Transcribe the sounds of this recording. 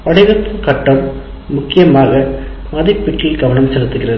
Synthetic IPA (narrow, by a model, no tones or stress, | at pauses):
pɐɽɐɪɣɐt̪ːɐkɐʈːɐmː | ʊkːɪjɐmaːɣɐ | mɐðɐɪpːɪʈːɪlɡɐʋɐnɐmsɛlɯt̪ːɯɣɪrɐðɯ